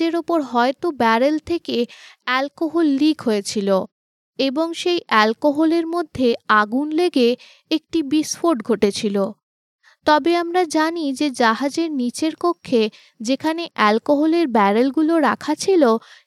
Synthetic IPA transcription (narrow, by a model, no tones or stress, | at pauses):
eɾopoɾɦɔet̪obɛɾelt̪ʰekeɛlkoɦolːikʰɦojet͡ɕʰilo | eboŋʃejʔɛlkoɦoleɾmod̪ʱːeaɡunleɡe | ek̚ʈibisfoɾʈɡʱoʈet͡ɕʰilo | t̪ɔbeamɾad͡ʑanid͡ʑed͡ʑaɦad͡ʑeɾnit͡ɕeɾpokʰːe | d͡ʑekʰaneʔɛlkoɦoleɾbɛɾelɡuloɾakʰat͡ɕʰilo